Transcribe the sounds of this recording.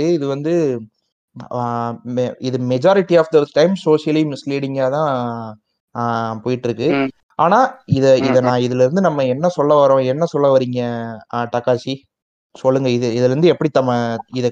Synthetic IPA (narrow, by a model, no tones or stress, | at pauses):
ɯɪðɯʋɐnd̪ɯ | ɪðɯmɛd͡ʒaːɾɪʈːiaːfd̪ɐsʈɐɪmsoːʂɪjɐlimɪsliːɽɪŋɡaːt̪ãː | poːjɪʈːɪɾɯkːɯ | aːnaːɪðɐɪðɐnãːɪðɪlɪɾɯnd̪ɯnɐmːɐɛnːɐsɔlːɐʋɐɾõɛnːɐsɔlːɐʋɐɾiːŋɡɐʈɐkːaːsi | sɔlːɯŋɡɐɪðɯɪðɐlɾɯnd̪ɯɛpːɐɽit̪ɐmːɐɪðɐ